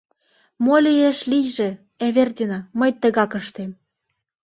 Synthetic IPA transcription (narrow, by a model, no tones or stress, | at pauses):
molʲijeʃlijʒĕ | eβerd̪ʲinɑməjt̪ə̆ɣɑkəʃt̪em